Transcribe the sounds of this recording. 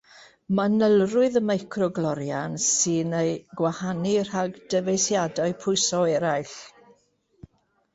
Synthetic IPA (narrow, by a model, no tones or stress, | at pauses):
manəlˠrʊɨðəmajkʰrɔɡlˠɔɾjansɨnejɡwahanir̥aɡd̥əvejsjadaɨpʰʊɨsɔɛɾajɬ